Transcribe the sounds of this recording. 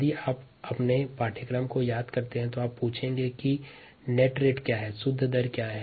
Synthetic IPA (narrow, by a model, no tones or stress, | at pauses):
d̪iaːp | ɐpnepaːʈʰɪkɾəmkojaːd̪kɐɾt̪eɦɛ̃t̪oaːpːuːt͡ʃʰẽːŋɡeki | neːʈɾeːʈkjaːɦɛːsʊd̪ʱːd̪əɾkjaːɦɛː